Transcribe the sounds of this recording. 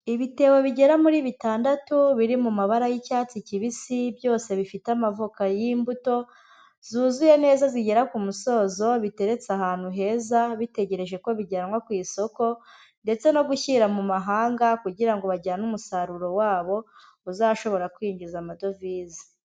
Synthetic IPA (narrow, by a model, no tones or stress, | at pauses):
iβite̞ːweβiɟe̞ɾamuɾiːβitaːndatuβiɾimumaβaɾajicaːt͡siciβisibjo̞ːse̞βifitamavokajimbuto̞ | zuːzuje̞ne̞ːzaziɟe̞ɾakumuso̞ːzo̞βite̞ɾe̞t͡sahaːn̥huɦe̞ːzaβite̞ɟe̞ɾe̞ʒe̞ko̞βiɟeɾamŋwokwiːso̞ko̞ | nde̞t͡se̞no̞ɡuçiɾamumaɦaːŋɡakuɟiɾaŋɡo̞βaɟaanumusaɾuɾo̞waːβo̞ | uzaʃo̞βo̞ɾakwiːɲɟizamado̞viːzi̥